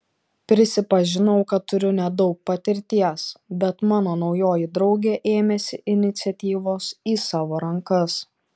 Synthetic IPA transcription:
pʲɾʲɪsʲɪpɐʒʲɪnɐʊkɐt̪ːʊɾʲʊnʲɛd̪ɒʊk̚pɐt̪ʲɪɾʲt̪ʲiɛsbʲɛt̪mɑːnoːnɒʊjoːjɪd̪ɾɒʊɡʲeːʔeːmʲɛsʲɪʔɪnʲɪt̪sʲɛt̪ʲiːʋoːsiːsɑːʋoːɾɐŋkɐs

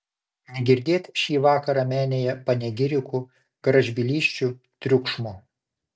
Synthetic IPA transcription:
nʲɛɡʲɪɾʲd̪ʲeːt̪ʲʃʲiːʋɑːkɐɾɑmʲæːnʲeːjɛpɐnʲɛɡʲɪɾʲɪku | ɡ̥ɾɐʒʲbʲɪlʲiːʃʲt͡ʃʲu | t̪ʲɾʲʊkʃmoː

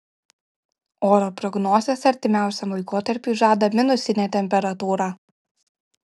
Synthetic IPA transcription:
oːɾɔpɾɔɡnɔːzʲesɐɾʲt̪ʲɪmʲæˑʊsʲɛmˠɐɪkoːt̪ɐɾʲpʲiˑʒɑːd̪ɐmʲɪnʊsʲɪnʲeːt̪ʲɛmʲpʲɛɾɐt̪uːɾɑː

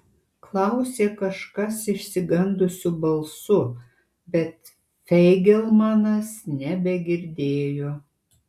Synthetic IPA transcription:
klˠɐʊsʲeːkɐʃkɐsɪʃʲsʲɪɡɐnd̪ʊsʲʊbɐlˠsʊ | bʲɛt̪ | fʲɛɪɡʲɛlˠmɑnɐsnʲɛbʲɛɡʲɪɾʲd̪ʲeːjoː

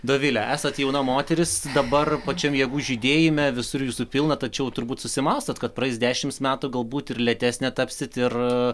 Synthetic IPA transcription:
d̪oːʋʲɪlʲɛæːsɐt̪jɛʊnɐmoːt̪ʲɛɾʲɪsd̪ɐbɐrpɐt͡ʃʲɛmjɛɡuːʒʲiːd̪ʲeːjɪmʲɛʋʲɪsʊɾjuːsʊpʲɪlˠnɐt̪ɐt͡ʃʲɛʊt̪ʊɾbuːt̪sʊsʲɪmɑst̪oːt̪kɐt̪pɾɐɛɪsdʲæːʃʲɪmsmʲæːt̪ʊɡɐlˠbuːt̪ɪrlʲɛt̪ʲæːsʲnʲɛt̪ɐpʲsʲɪt̪ɪr

